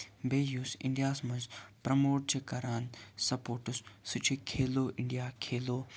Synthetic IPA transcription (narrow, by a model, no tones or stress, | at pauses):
beːjuːsɪ̰ɳɖijaːsmɐnzpɾɐmoːʈ̚t͡ʃʰikɐɾaːnsɐpoːʈussut͡ʃʰikʰeːloːʔɪɳɖijaːkʰeːloː